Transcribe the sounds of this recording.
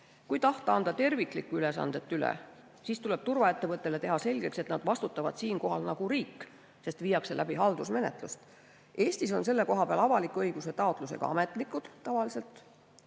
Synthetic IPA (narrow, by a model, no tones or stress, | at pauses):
kujt̪ɑht̪ɑɑnd̪ɑt̪e̞rviklikːˑuylesɑ̰nd̪̥e̞t̪ːˑylḛ | siːst̪ule̞b̥t̪urvɑe̞t̪ːe̞vɤt̪ˑːe̞le̞t̪e̞ɦɑse̞lʲɡ̥e̞kse̞t̪nɑd̪̥vɑst̪ut̪ˑːɑvɑ̰d̪̥siːnko̞ɦɑlnɑɡ̥uɾiːkː | se̞st̪vijːɑkse̞læb̥iɦɑld̪̥usme̞ne̞̰t̪ˑlust̪ | e̞ːst̪iso̞̰nse̞lːe̞ko̞ɦɑpeɑ̰lɑvɑlikːuɤjɡ̥uset̪ɑot̪ˑluse̞̰ɡ̥ɑ̰ɑ̰me̞t̪ˑlikːˑud̪̥ːɑvɑlise̞lt̪ˑ